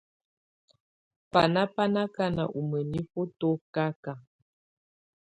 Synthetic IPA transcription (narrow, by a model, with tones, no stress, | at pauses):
pa˨na˦pa˦na˦ka˦na̰˨ʔu˨mə˨ni˦fo˦to˦ka˦ka˨